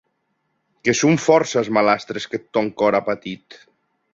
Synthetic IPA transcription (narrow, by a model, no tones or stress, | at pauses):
kesuɱfɔɾsazmalast̪ɾesket̪ːɔŋkɔɾapat̪it̪